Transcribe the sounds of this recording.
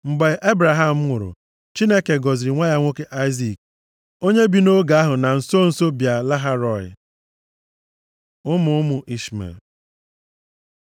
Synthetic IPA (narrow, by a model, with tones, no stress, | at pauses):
m̩˨ɡ͡be˨˦ʔe˦bɾa˨ɦa˦˨m̩˦ŋʷʊ˨ɾʊ̰˨ | t͡ʃi˦ne˦ke˨ɡɔ˨zi˨ɾi˨ŋʷa˦ja˦ŋʷo˦ke˦ʔa˦ɪ˦zi˨k̚ | o˦ɲe˦bi˨no˦ɡa˨a˦ɦʊ˨na˨n̩˨so˦n̩˨so˦bja˨la˦ɦa˦ɾɔ˨ɪ̰˨ | ʊ˦mʊ˨˦ʊ˦mʊ˨ʔi˦sma̰˨